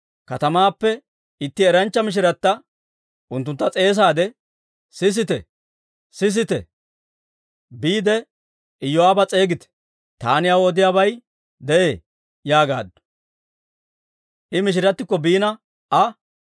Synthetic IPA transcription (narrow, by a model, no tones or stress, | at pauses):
kɐt̪ɐmaːpːɛ | ɪt̪ːɪɛɾɐnt͡ʃːɐmɪʃ̬ɪɾɐt̪ːɐ | ʊnt̪̬ːʊnt̪ːɐt͡sʼe̞ːs̬aːd̪ɛ | sɪs̬ɪt̪ɛ | sɪs̬ɪt̪ɛ̰ | biːd̪ɛ | ɪjːɔaːbɐt͡sʼe̞ːɡɪt̪ɛ̥ | t̪aːnɪjɐwɔd̪ɪjaːbɐj | d̪ɛʔeː | jaːɡa̰ːd̪ | ʔɪmɪʃ̬ɪɾɐt̪ːɪkːɔbiːnɐ | ɐ